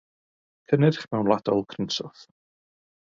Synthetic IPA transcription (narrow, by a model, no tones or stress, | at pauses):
kʰənɨrχmɛwnlˠad̥ɔlˠkʰrɪnsɔθ